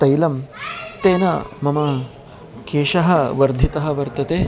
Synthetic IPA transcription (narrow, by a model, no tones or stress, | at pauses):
t̪ɐjlɐmt̪eːnɐmɐmɐ | keːʃɐɦɐʋɐɾd̪ʱit̪ɐɦɐ̆ʋɐɾt̪jɐt̪eː